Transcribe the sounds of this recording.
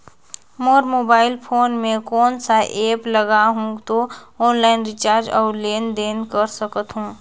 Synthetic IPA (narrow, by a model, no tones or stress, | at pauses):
moːɾmoːbaːɪlpʰoːnmẽkɔːnsaʔeːpləɡaɦũt̪oɔːnlaɪnɾit͡ʃaːɾd͡ʒɔ̰ːɾleːnd̪eːnkəɾsəkət̪ɦũː